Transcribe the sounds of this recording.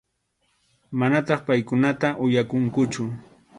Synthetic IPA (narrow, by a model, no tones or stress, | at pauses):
manat̪ɑχpajkʊnat̪aʔʊjakʊŋkʊt͡ʃʊ